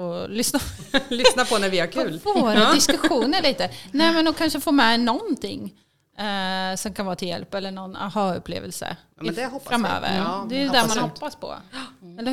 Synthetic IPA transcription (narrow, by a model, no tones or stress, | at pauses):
olʏsnalʏsnapʰɔnæɾvɪæɾkʰʉːlvoːɾad̪ɪskɵɧuːnəɭiːt̪ənɛːmɛnɔkʰanʂəfoːɾmɛnɔnt̪ʰɪŋː | sɔmkʰanvɑːt̪ʰɪljɛ̰lpːɛlːəɳɔna̰hɑɵ̰pʰːlḛːvə̰lsə̰ | d̪ɛhɔfːɾamø̰ːvə̰ɾɾd̪ɛd̪æɾmanhɔpːaspʰɔ̰ɛlːə